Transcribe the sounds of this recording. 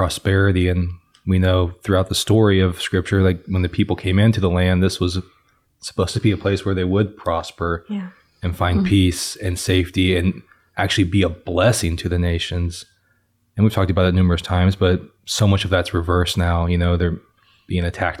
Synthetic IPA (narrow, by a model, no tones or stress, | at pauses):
pʰɹ̥ɑspɛɹɨɾiɨ̃n | winoʊθɹʉaʊt̪̚ðəstɔɹiʌv̥skɹɪp̚t͡ʃə˞laɪk̚wə̃nðɨpʰipl̩ˠkʰẽɪ̃mɪ̃ntʰɨðəlæ̃nðɪswʌz | sə̥pʰoʊz̥tʰəb̥iɨpʰl̥eɪswə˞ðeɪwəd̚pʰɹ̥ɑspə˞ | ɨ̃nfãɪ̃npʰisɨ̃nseɪftiɨ̃n | ʔæk̚t͡ʃʉl̩ˠibiəblɛsɪ̃ŋtʰɨðɨneɪʃɨ̃nz̥ | ɨ̃nwiv̥tʰɔk̚təbaʊɨtⁿnʉmə˞ɨstʰãɪ̃mzb̥ʌt̚soʊmʌt͡ʃʌvðætsɹɨvɜ˞snaʊjɨnoʊðə˞ | b̥iɪ̃ŋɨtʰæ̰k̚t